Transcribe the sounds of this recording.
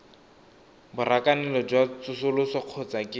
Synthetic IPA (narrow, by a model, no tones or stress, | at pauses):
bʊrakanɛlɔd͡ʒwat͡sʊsʊlʊsɔq͡χʰɔt͡sakʼɪ